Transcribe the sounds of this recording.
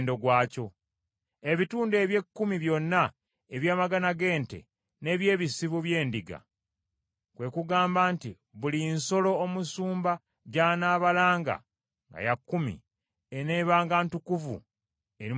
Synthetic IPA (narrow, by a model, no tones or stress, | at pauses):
ndoɡwaːco̞ | e̞βituːnde̞ːβje̞kːumiβjo̞nːa | eβjaːmaɡanaɡe̞ːnte̞̰ | ne̞ːβje̞ːβisiβuβje̞ːndiɡa̰ | kwe̞kuɡaːmbaːnti | βulinso̞lo̞ːmusuːmba | ɟaːnaːβalaːŋɡa̰ | ŋɡa̰jakːumḭ | eneːβaːŋɡantukuvṵ | e̞ɾi